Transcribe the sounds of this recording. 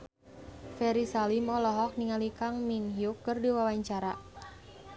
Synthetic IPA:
fɛɾisalimɔlɔɦɔk̚niŋalikaŋminɦjukːərdiwawaɲt͡ʃaɾa

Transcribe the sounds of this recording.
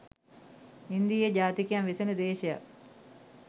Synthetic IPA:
ind̪ijəɟaːt̪ikjamʋisenəd̪eːʃeja̰k

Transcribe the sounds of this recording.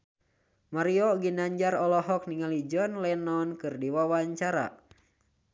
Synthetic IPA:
maɾiɔɡinaɲd͡ʒaɾɔlɔɦɔk̚niŋalid͡ʒɔnlɛnɔnkɨrdiwawaɲt͡ʃaɾa̰

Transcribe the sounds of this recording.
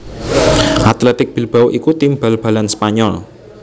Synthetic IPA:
ʔat̪lɛt̪ɪk̚b̥i̤lb̥awʔikut̪imbalb̥a̤lanspaɲɔl

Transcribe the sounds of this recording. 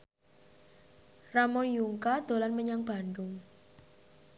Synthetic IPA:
ramɔnjuŋkad̪̥o̤lanməɲaŋb̥a̤nɖʊŋ

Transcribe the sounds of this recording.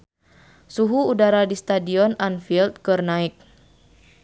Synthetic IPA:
suɦuːdaɾadist̪adiɔnanfilt̪̚kɨrnaik̚

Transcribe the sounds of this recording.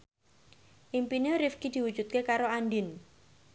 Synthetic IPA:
ʔimpineɾifkid̪̥i̤wud̥ʒ̥ut̪̚kekaɾoanɖɪn

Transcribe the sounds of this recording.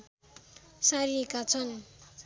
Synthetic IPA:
saɾikat͡sʰʌn

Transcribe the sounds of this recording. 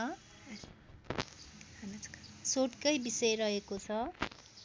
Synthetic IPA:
ʌ | ʌnsoʈkʌjbisʌjɾʌɦekot͡sʰʌ

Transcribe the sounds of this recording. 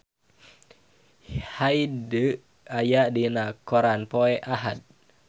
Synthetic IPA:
haidə | ajaʔdinakɔɾanpɔɛʔaɦat̪̚

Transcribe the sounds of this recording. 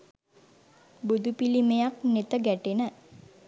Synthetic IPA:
bud̪upilimejak̚net̪əɡæʈenə

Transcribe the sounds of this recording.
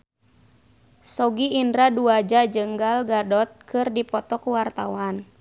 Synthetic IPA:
sɔɡiːndɾaduad͡ʒad͡ʒəŋɡalɡadɔt̪̚kʰɨrdipɔt̪ɔkuwart̪awan

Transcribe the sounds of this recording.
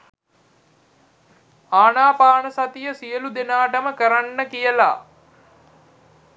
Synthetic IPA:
aːnaːpaːɳəsat̪ijəsijəlud̪enaːʈəməkəɾanːəkijəla̰

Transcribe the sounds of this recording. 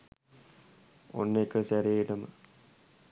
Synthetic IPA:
o̰nːekəsæɾeːʈəmə

